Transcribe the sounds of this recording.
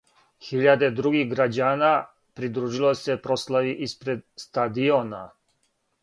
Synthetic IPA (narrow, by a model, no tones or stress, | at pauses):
xiʎad̪e̞d̪ɾuɡixɡɾad͡ʑaːna | pɾid̪ɾuːʒilˠosepɾo̞slˠaʋiʔispɾed̪st̪ad̪iona̰